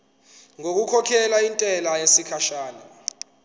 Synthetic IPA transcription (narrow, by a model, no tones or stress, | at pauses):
ŋok̬ukʰɔkʰɛlaintʼɛlajesikʰaʃaːna